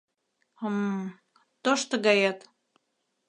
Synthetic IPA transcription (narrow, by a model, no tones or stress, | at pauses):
əm | t̪oʃt̪ɤ̆ɣɑjɑt̪